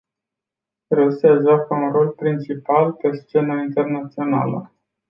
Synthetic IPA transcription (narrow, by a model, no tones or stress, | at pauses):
ɾesiaʒakəunro̞lpɾint͡ʃipalpe̞st͡ʃe̞nəint̪e̞rnat̪sio̞na̰lə̰